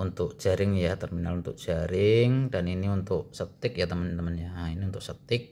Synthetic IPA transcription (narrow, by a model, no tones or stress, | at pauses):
unt̪ʊk̚d͡ʒaɾɪŋjat̪ərminalunt̪ʊ̰k̚d͡ʒaɾɪŋdaniniunt̪ʊk̚sət̪ɪk̚jat̪əmənt̪əmənjainiunt̪ʊk̚sət̪ɪk̚